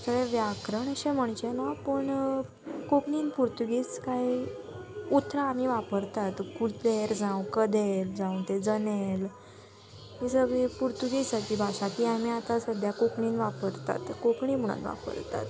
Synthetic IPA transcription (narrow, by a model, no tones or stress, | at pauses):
səɡẽʋjakɾəɳəɕɛm̤əɳ̃t͡ɕenapəɳ | kokɳiːnpuɾt̪uɡiːskai | ut̪ɾaːmiʋapəɾt̪at̪kult̪leɾd͡zãwkəd̪eld͡zãw̃t̪ed͡zənel | ɦisəɡɭipuɾt̪uɡiːsat̪iːbʱaɕakiamiat̪asəd̪ʱjakokɳiːnʋapəɾt̪a̰t̪kokɳiːm̤əɽ̃ṵnʋa̰pə̰ɾt̪a̰t̪